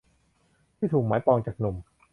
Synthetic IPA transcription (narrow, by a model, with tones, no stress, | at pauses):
tʰiː˥˩t̪ʰuː˨˩k̚maː˨˦jpɔː˧ŋt͡ɕaː˨˩k̚nu˨˩m